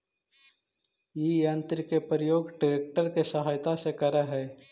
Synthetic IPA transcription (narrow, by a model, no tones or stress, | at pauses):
jijə̃nt̪ɾkepɾəjoːɡɖɪɾeːk̚ʈəɾkesɐɦaːjt̪asekɐɾaɦɛː